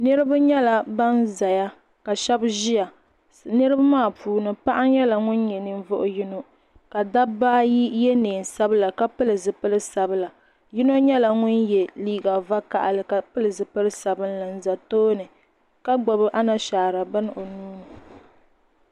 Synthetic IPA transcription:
nɨ˦ɾɨ˦ba˦ɲɛ˦la˨ba˦nza˨ja˦ | ka˨ʃɛ˦bʒi˦ja˨ | nɨ˦ɾɨ˦ba˦maː˦˨pʰuː˨nɨ˨pa˦ʔa˦ɲɛ˦la˨ŋʊ˦n˦ɲɛ˨nɨ˨ɱ˦vʊ˦ʔʊ˨ji˦no˦ | ka˨da˦baː˦ji˦jɛ˦neː˨n˨sa˦bɨ˦la˨ka˦pɨ˦lɨ˨zɨ˨pɨ˦lɨ˦sa˨bɨ˦la˨ | ji˦no˦ɲɛ˦la˨ŋʊ˦njɛ˨liː˦ɡa˨va˦ka˨ʔa˨lɨ˨ka˨pɨ˦lɨ˨zɨ˨pɨ˦lɨ˦sa˨bɨ˦nla˨n̩˦za˨toː˦nɨ˨ | ka˦ɡ͡bɔ˨bɨ˦ʔa˦na˨ʃaː˨ɾa˨ba˦nɨ˦ʔo˨nuː˦nɨ˨

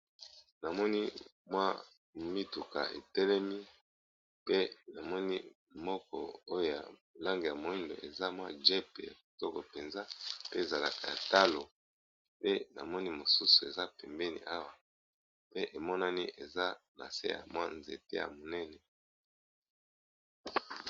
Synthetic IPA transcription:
na˨mɔ˦ni˦ | mwa˦ | mi˦tu˨ka̰˨ʔḛ˨tɛ˦lɛ˦mi˦ | pe˦na˨mɔ˦ni˦ | mɔ˦kɔ̰˨o˦jo˨ja̰˨la˦ŋɡe˨ja˨mo˨i˦ndo̰˨e˨za˦mwa˦ʒɛ˦pḛ˨ja̰˨tɔ˦ko˨pe˨nza˦pe˦e˨za˨la̰˨ka˨ja˨ta˦lo˨ | pe˦na̰˨mɔ˦ni˦mo˨su˦su̥˨e˨za˦pɛ˨mbɛ˦nḭ˨ʔa˦wa˨ | pe˦ʔe˨mɔ˦na˦ni˦ʔe˨za˦na̰˨sḛ˦ja̰˨mwa˦nze˨te˦ja̰˨mo˨nɛ˦nɛ˨

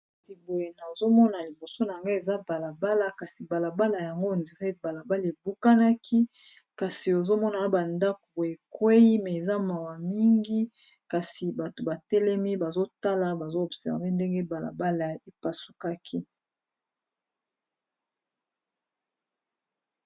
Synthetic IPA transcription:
ti˨bo˨je˨na˨zo˦mɔ˦na˨li˨bo˨so˦na˨ŋɡa˦e˨za˦ba˨la˨ba˦la˨ka˨si˨ba˨la˨ba˦la˨ja˨ŋɡo˦˨ndi˨ʁe˦ba˨la˨ba˦le˨bu˦ka˦na˦kʰi˦ | ka˨si˨o˨zo˦mɔ˦na˨˦ba˨nda˦ko˨bo˨e˨kwe˦i˦mɛ˨e˨za˦ma˨wa˨mi˦ŋɡi˦ | ka˨si˨ba˨to˨ba˨tɛ˦lɛ˦mi˦ba˨zo˦ta˦la˦ba˨zo˦ɔ˨bsɛ̰˨ʁve˦nde˦ŋɡe˦ba˨la̰˨ba˦la˨e˨pa˨su̥˨ka˦kʰi˦

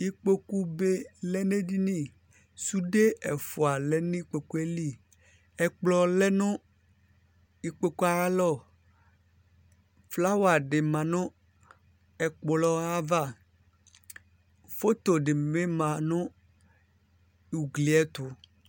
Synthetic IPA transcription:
i˦k͡po˦ku˦be˦lɛ˦ne˦di˦nĩ˦˨ | su˦ɖe˦ɛ˨fo˨a˨lɛ˦nĩ˦k͡pe˨ku˦e˦li˦˨ | ɛ˨k͡plɔ˨lɛ˦nʊ̃˦ | i˦k͡pe˦ku˦a˨ɾa˦lɔ˦˨ | fla˦wa˨ɖɪ˨mã˨nʊ̃˦ | ɛ˨k͡plɔ˦a˦va˦ | fo˦t̪o˨ɖe˨mẽ˦mã˨nʊ̃˦ | u˨ɡli˨ɛ˦t̪ʊ˨˦

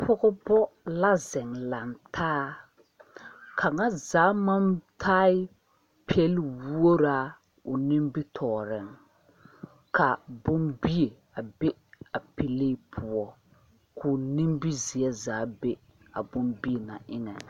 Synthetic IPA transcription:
pʰʊ˦ɣʊ˦bɔ˦la˦zɛ˨ŋla˨ntʰaː˦ | kʰa˨ŋa˦zaː˨˦ma˦mtʰaː˦ɪ˦ | pʰi˦ɛ˦lwu˦o˦ɾa˦ | ʊ˨ni˦mbi˦tʰɔː˨ɾɪ˨ŋ | kʰa˨bʊ˦mbi˦e˨ | a˨be˦a˨pi˨le˦pʰʊ˨ɔ˦ | kʰʊ˨ni˦mbi˦zi˨ɛ˦zaː˨˦be˦ | a˨bʊ˦mbi˦e˨na̰˨ʔɪ˦ŋɛ˨

